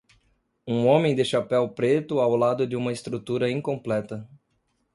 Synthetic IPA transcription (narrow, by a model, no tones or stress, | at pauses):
ũõmẽj̃d̪ɪʃapɛwpɾet̪ʊawlad̪ʊd̪ɪũmɐest̪ɾut̪uɾɐĩŋkõmplɛt̪ɐ